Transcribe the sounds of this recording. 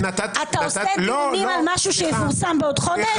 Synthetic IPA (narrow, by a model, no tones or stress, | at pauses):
t̪at̪aoseimalmaʃuʃemefuʁsambeodχode